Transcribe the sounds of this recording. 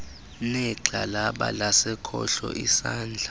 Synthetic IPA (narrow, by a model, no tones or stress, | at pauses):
nɛǁalaɓa̰lasɛkʰɔɬɔʔisaːnd͡ɮʱa